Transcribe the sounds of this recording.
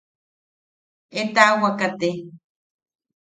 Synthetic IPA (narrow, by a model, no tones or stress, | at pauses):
et̪aʔwakat̪e